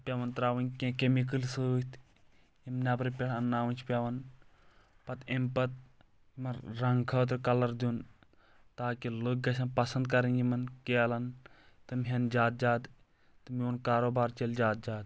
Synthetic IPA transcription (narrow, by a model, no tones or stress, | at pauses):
pʲeʋɐnt̪ɾaːʋɐnkʲẽːkemik̬əlsɨt̪ | imnʲabɾipʲeʈʰɐnːaːʋɐnʲt͡ʃʰpʲɐʋɐn | pɐt̪impɐt̪̚ | mɐɾɾɐŋɡkʰɐːt̪ɾkɐlɐɾd̪un | t̪aːkilok̚ɡɐsɐnpɐsɐnd̪̚kɐɾinjimɐnkelɐn | t̪ɨmɦɐnd͡ʒaːt̪̚d͡ʒaːd̪ | t̪ɨmiunkaːɾoːbaːɾt͡ʃelʲd͡ʒaːt̪̚d͡ʒaːd̪